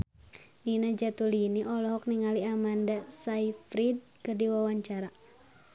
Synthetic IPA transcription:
ninad͡ʒat̪uliniʔɔlɔɦɔk̚niŋaliamandasaifɾid̚kɨrdiwawaɲt͡ʃaɾa

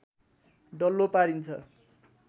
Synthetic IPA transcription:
ɖʌlːopaɾint͡sʰʌ̰

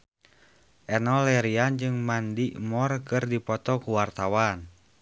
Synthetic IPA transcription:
ʔɛnɔlɛɾiand͡ʒɨŋmandiʔmɔrkɨrdipɔt̪ɔkuwart̪awan

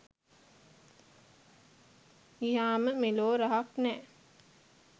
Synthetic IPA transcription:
iɦaːməmeloːɾaɦaknɛː

